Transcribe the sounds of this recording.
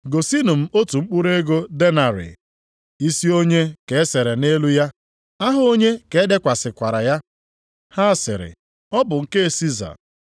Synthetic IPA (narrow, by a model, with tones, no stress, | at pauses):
ɡo˨si˦nu˨m̩˦o˦tu˨ŋ͡m̩˦k͡pu˦ɾe˦ɡo˦de˦na˨ɾɪ̰˨ | i˦si˦o˦ɲe˦ke˨e˦se˨ɾe˨ne˦lu˦ja˦ | a˦ɦʊ˦o˦ɲe˦ke˨e˦de˦kʷa˨sɪ˨kʷa˨ɾa˨ja˦ | ha˦˨sɪ̰˨ɾɪ̰˨ | ɔ˦bʊ˨ŋ̩˨ke˦e˨si˦za̰˨